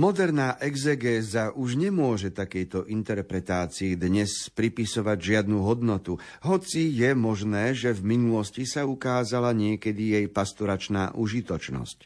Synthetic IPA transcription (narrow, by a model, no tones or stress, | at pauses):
mɔd̪ɛɾnaːʔɛɡzɛɡɛːzaʔuʒɲɛmʊɔʒɛt̪akɛjt̪ɔʔint̪ɛɾpɾɛt̪aːt͡siɛd̪ɲɛspɾipisɔʋaɟʒɪad̪nuɦɔd̪nɔt̪u | ɦɔt͡sijɛmɔʒnɛːʒɛvminulɔscisaukaːzalaɲɪɛkɛd̪ijɛjpast̪ɔɾat͡ʃnaːʔuʒit̪ɔt͡ʃnɔ̰sc